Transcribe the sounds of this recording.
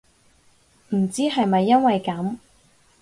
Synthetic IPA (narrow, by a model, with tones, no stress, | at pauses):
m̩˨˩t͡siː˥ɦɐ˨jmɐ˨jːɐ˥nwɐ˨jkɐ˨˥m